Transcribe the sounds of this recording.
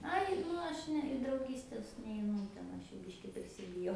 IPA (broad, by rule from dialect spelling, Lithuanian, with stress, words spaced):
ˈɐɪ ˈnʊ ɐʃ ˈnʲɛ ɪ drɐʊˈɡʲiːsʲtʲɛs nʲɛɪˈnʊ tʲɛn ˈɐʃ ˈjuː ˈbʲɪʃʲkʲɪ pʲrʲɪsʲɪbʲɪˈjɛʊ